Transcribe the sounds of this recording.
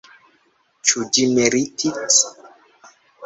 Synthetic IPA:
t͡ʃud͡ʒimeɾitʰit͡s

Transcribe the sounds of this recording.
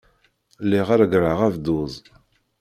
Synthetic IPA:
liʁaɾɡɾəʁævd̪uzˤ

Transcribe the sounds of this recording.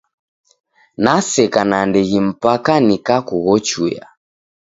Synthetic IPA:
nasɛkanandɛɣim̩pakanikakuɣɔt͡ʃuja̰

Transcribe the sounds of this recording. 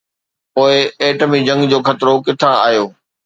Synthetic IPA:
poːɪeːʈəmid͡ʑɐ̃ŋɡd͡ʑoːxɐt̪ɪɾokɪʈʰãa̰ːɦjoː

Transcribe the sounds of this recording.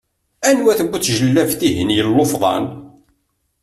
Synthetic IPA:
ænwæθəɡʷːut͡sːʒəlːævθiɦənjəlːofðˤɑ̰n

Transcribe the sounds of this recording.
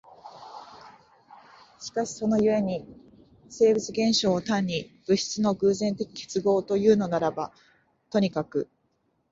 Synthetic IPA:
ɕi̥kaɕi̥so̞no̞jɯ̟e̞ɲ̟i | se̞ːbɯt͡sɨɡẽ̞ɰ̃ɕo̞ːt̪ãɲ̟ːib̥ɯ̟ɕi̥t͡sɨno̞ɡɯ̟ːzẽ̞nt̪e̞kʲi̥ke̞̥t͡sɨɡo̞ːt̪o̞jɯ̟ːno̞naɾaba | t̪o̞ɲ̟ikakɯ̟

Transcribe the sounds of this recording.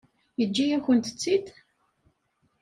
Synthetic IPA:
jəd͡ʒːijæçənt̪ə̥t͡sːid̪

